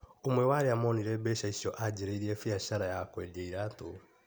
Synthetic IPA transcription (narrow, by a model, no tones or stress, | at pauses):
omwɛwaɾeamɔniɾɛbɛʃaisjɔʔad͡ʒeɾeiɾiɛfiaʃaɾajakwɛdeiɾato